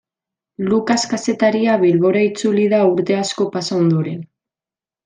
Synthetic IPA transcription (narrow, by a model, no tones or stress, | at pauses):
lukaskase̞t̪aɾiaβilβo̞ɾait͡sulið̞auɾt̪e̞asko̞pasaond̪uɾe̞n